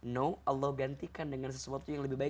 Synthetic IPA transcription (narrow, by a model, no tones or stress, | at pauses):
noʔɑlːɔhɡant̪ikandəŋans̬əsuat̪ujaŋləbɪhbaɪ